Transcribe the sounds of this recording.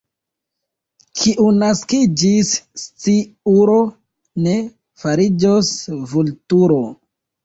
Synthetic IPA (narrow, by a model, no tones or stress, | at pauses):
kʰiʔunaskid͡ʒist͡siuɾo̞ | ne | faɾid͡ʒosvultuɾo